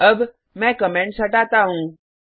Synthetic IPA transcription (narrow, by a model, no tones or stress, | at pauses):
əb | mɛ̃kəmẽɳʈsəʈat̪aɦũː